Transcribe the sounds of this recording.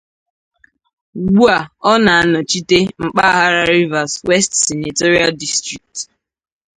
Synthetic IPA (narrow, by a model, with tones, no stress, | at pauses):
ɡu˦a˨ɔ˦na˨a˦nɔ˨t͡ʃi˦te˦ŋ͡m̩˨k͡pa˦a˦ɦa˦ɾa˦ɾi˦va˨swe˦stse˨na˨tɔ˦ɾi˦a˦ldi˦stɾi˨k̚t